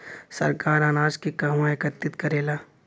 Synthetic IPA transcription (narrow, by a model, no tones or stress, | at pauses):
sɐ̰ɾkaːɾaːnaːd͡ʒkikɐɦwãekət̪ːɪt̪kɐɾeːlaː